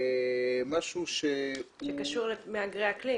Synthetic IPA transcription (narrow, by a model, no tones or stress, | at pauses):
maʃuʃeʃekaʃuʁlemeaɡʁeakli